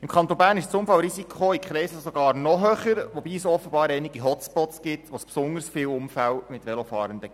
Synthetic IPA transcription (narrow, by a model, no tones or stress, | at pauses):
ɪmkʰɑnt̪onbæːɾnɪʃt͡sʊmfɑlɾisikʰχoikχɾɛɪsəsɔɡ̥ɑːɾnɔɦøχəɾʋɔbiːəsɔfəb̥ɑːɾɛɪniɡ̥iɦɔtt͡spɔtsɡ̥ɪtʋospsʊndəɾsfɪːwʊmfælmɪtʋɛlofɑːɾənd̪ə